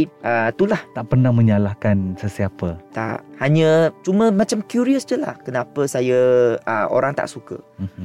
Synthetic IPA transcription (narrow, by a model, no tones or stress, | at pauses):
ʔət̪ulaht̪aʔpərnãŋmə̃ɲalakansəsiapət̪a̰ʔhaɲə̃t͡ʃumə̃mãt͡ʃamkjuɾiəsd͡ʒəla̰hkənapəsajəəʔo̰ɾaŋt̪a̰ʔsukə̰